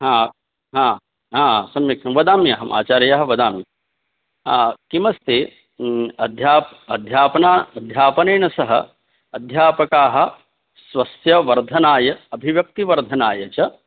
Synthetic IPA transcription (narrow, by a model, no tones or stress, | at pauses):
ɦãː | ɦãː | ɦãːsɐmjɐkʰɐmʋɐd̪aːmiɐɦɐmʔa̰ːt͡ʃaːɾjaːɦɐ̆ʋɐd̪aːmi | aːkimɐst̪e | ɐd̪ʱjaːpɐd̪ʱjaːpɐnaːɐd̪ʱjaːpɐneːnɐsɐɦɐ̰ | ɐd̪ʱjaːpɐkaːɦɐ̆ | sʋɐsjɐʋɐɾd̪ʱɐnaːjɐɐbʱiʋjɐk̚t̪iʋɐɾd̪ʱɐnaːjɐt͡ʃɐ